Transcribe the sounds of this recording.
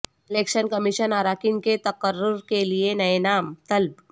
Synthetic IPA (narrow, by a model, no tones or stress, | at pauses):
elekɕənkəmiɕənaɾakiŋket̪ɐkəɾːʊɾkelienɐenaːmt̪əlb̚